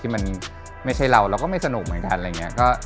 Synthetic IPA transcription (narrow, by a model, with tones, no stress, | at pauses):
iː˥˩ma˧n | ma˥˩jt͡ɕʰa˥˩jɾa˧wɾaː˧˥wkɔː˥˩ma˥˩jsa˧nu˨˩k̚mɯ˩˦nka˧nʔa˧jŋːi˦˥ɐ˥˧kɔː˥˩